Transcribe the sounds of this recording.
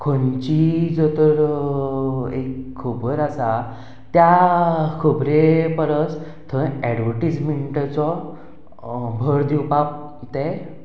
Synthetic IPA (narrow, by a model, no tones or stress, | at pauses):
kʰont͡ɕid͡zɔt̪əɾ | ekʰːubəɾasa | t̪jakʰubɾepəɾət͡s | t̪ʰəɛɖʋəɾʈid͡zmeɳʈat͡sɔ | bʱəɾd̪iwpap̚ | t̪e